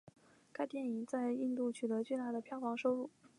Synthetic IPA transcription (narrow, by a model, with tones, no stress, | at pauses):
ka˥ɪt̪jɛ˥˩ni˨˩ŋt͡sa˥˧ɪi˥˧nt̪u˥˩t͡ɕʰy˨˩t̪ɤ˧˥t͡ɕwe˥˧t̪a˥˩d̪ə˩pʰjɑ˥˩ʊfɑ˧˥ŋʂo˥ʊlu˥˩